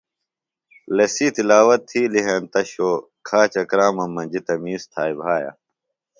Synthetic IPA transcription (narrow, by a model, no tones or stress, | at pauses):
lɐsiːt̪ilaːwɐt̪ʰːiːliɦent̪ɐɕoː | kʰaːt͡ɕɐkɾaːmɐmːɐ̃d͡ʑit̪ɐmiːst̪ʰaːjbʱaːja̰